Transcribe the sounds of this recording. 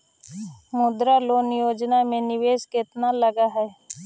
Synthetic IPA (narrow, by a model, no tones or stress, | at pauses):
mʊd̪ɾaloːnjoːd͡ʒnamẽnɪʋeːsket̪naləɡaɦɛː